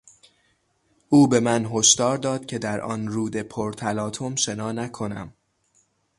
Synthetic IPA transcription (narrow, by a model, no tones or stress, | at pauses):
ʔuːbe̞mænɦo̞ʃd̪ɒːɾd̪ɒːd̪̥cʰe̞d̪æɾʔɒ̰ːnɾuːd̪e̞pʰoɾt̪ʰælɒːt̪ʰomʃe̞nɒːnækʰo̞næ̰m